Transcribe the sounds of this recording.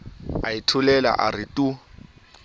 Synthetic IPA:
aitʰʊlɛla̰ʔarɪtʼu

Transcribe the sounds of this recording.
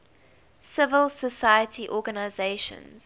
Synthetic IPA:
sɪvəlˠsəsajətʰiʔɔːɡanaɪzeɪʃə̰̃nz̥

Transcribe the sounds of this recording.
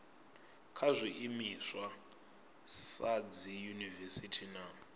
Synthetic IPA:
kʰazʷiʔimiswa | sad͡zijunivɛsitʰina

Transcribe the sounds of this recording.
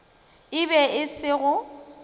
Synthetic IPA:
ɪbɛɪsɪɣʊ

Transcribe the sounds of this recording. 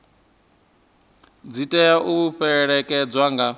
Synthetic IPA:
d͡zitʼɛjaʔuuɸɛɺɛkʼɛd͡zwaŋɡa

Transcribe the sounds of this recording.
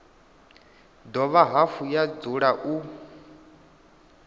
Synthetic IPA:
d̪ɔβaɦafujad͡zuɺaʔu

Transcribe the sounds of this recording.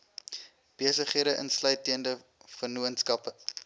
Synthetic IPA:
b̥iəsəχɦiəɾəʔə̰nslœɥjtiəndə | fənuənskɐpə

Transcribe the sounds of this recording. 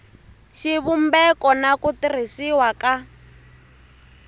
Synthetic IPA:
ʃiβumbɛkɔnakutir̤isiwaka

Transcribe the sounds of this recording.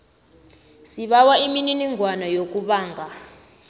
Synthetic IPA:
siɓawaimininiŋʱwanɔjok̬ʼuɓaːŋɡʱa

